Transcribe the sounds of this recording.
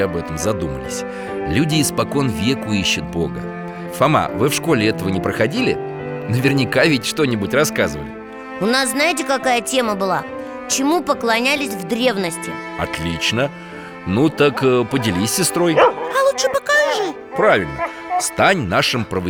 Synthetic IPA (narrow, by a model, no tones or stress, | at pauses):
ɐbɛt̪əmzɐd̪umə̰lʲɪ̰sʲ | lʲudʲɪːspɐko̞nvʲekʊiɕːʊt̪̚bo̞̰ɡə̰ | sɐma̰vɨfʂko̞lʲɪɛt̪əvənʲɪpɾəxɐdʲilʲɪ̰ | nəvʲɪrnʲɪkavʲɪtʲʂt̪o̞nʲɪbʊtʲrɐskazɨvə̰lʲɪ | ʊnasznajɪt̬ʲɪkɐkajətʲe̞məbɨlˠa | t͡ɕɪmupəklˠɐnʲælʲɪsʲvd̪ɾʲe̞vnəsʲtʲɪ | ɐ̰t̪lʲit͡ɕnə | nut̪əkpədʲɪlʲisʲːɪst̪ɾo̞jɐlˠuʂɨpəkanʲi | pɾavʲɪlʲnə | st̪anʲnaʂɨmpɾəvə